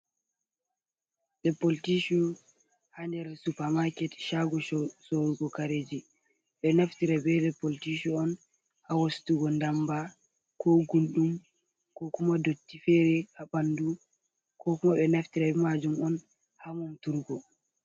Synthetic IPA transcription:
ɗɛpoltiʃu | handɛɾsupamakɛtʃaɡɔsoɾuɡɔkaɾed͡ʒi | ɓɛnaftiɾabɛɗɛpoltiʃuɔn | hawastuɡɔndamba | kʰɔɡulɗum | kɔkumadotːifɛɾɛhaɓandu | kɔkumaɓɛnaftiɾaɛmad͡ʒumɔn | hamɔmtuɾɡɔ

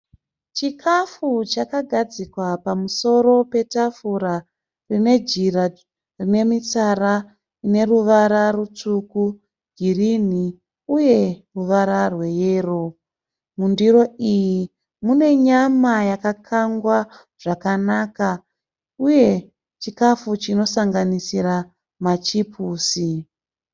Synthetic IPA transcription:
t͡ʃikʰafut͡ʃakaɡʱad͡zikwapamuso̞ɾo̞pe̞tafuɾa | rine̞d͡ʒira | rine̞mit͡sara | ine̞ruʋaɾarut͡suku | ɡʱirini | uje̞ruʋaɾarwe̞jeːro̞ | mundiɾo̞iji | mune̞ɲamajakakʰaŋɡwa | ʐ̥akanaka | uje̞ | t͡ʃikafut͡ʃino̞saŋɡanisiɾa | mat͡ʃipʰuːsi

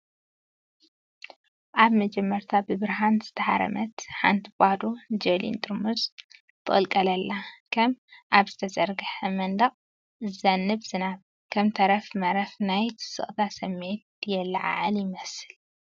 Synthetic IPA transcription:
ʔaβmɐd͡ʒɛmːɐɾt̪ʰabɨβɨɾɦanz̥ɨ̥t̪ʰɐħa̰ɾɐ̰mɐt̪ħa̰nt̪ʰbʼad̪od͡ʒɐlḭnt̪ʼɨɾmuz | t̪ʰɨχʼɨlkʼɐlɐlːakʰɐmʔaβzɨt̪ʰɐzɐɾɡɨħɐmɐnd̪ɐqʼ | ɨzɐnːɨβz̥ɨnaβ | kʰɐmt̪ʰɐɾɐfmɐɾɐfnajt̪ʰɨ̥sɨ̰χʼt̪ʰasɐmːe̞t̪jɛlːɐʕa̰ʕaljɪmɐsɨl

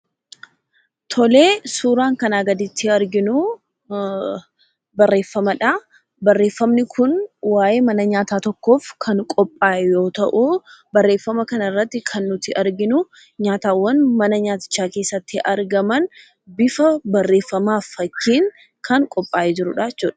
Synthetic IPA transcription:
t̪ʰɔleːsuːɾaːŋkɐnaːɡɐd̪ɪt̪ːɪɐɾɡɪnʊ | bɐrːe̞ːfːɐmɐᶑa | bɐrːeːfːɐmnɪkʰʊnwaːʔe̞ːmɐnɐɲaːt̪aːt̪ɔkːo̞ːfkʰɐŋkʼɔpʼːaːɛjo̞ːt̪ɐʔubɐrːe̞ːfːɐmɐkɐnɐɪrːɐt̪ːɪkʰɐnːʊt̪ɪʔɐɾɡɪnʊ | ɲaːt̪aːwːɐnmɐnɐɲaːt̪ɪ̥t͡ʃːaːkeːsːɐt̪ːɪʔɐɾɡɐmɐn | bɪfɐbɐrːe̞ːfːɐmaːfːɐkːiːŋ | kʰɐŋkʼɔpʼːaːʔɛd͡ʒɪɾʊᶑaːɪt͡ʃːuːᶑɐ̥

